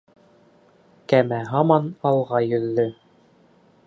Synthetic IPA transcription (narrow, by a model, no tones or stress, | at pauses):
kæmæɦɑmɑnɑlˠʁɑjɵ̆ðːɵ